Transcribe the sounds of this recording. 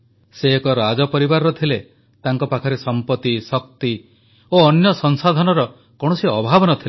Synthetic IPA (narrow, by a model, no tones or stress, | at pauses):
seːkɔɾad͡ʒɔpɔɾibaɾːɔt̪ʰile | t̪aŋkɔpakʰɔɾesɔmpɔt̪isɔk̚t̪i | oːnjɔsɔŋsad̪ʱɔnɔɾɔ | kɔɽ̃ɔsiɔbʱabɔnɔt̪ʰil